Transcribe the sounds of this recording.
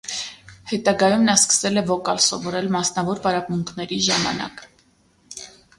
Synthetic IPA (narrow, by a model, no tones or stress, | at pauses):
hɛt̪ɑɡɑjumnɑskə̥sɛlɛvɔkɑlsɔvɔɾɛlmɑsnɑvɔɾpɑɾɑpmuŋkʰnɛɾiʒɑmɑ̰nɑ̰k